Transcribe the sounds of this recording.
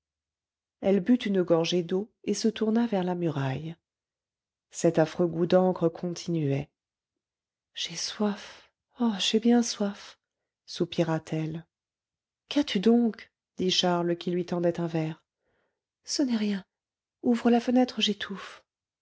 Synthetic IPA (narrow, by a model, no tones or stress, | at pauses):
ɛlbyt̪ynəɡɔʁʒed̪oesət̪uʁnavɛʁlamyʁaj | sɛt̪afχøɡud̪ɑ̃kχəkʰɔ̃t̪ʰinyɛ | ʒ̥eswaf | ɔʃɛbjɛ̃swaf | supiʁat̪ʰɛl | kat̪ʰyd̪ɔ̃k | d̪̥iʃaʁləkʲilɥit̪ɑ̃d̪ɛt̪ɛ̃vɛːʁ | sənɛʁjɛ̃ | uvʁəlafənɛt̪χəʒet̪ʰuf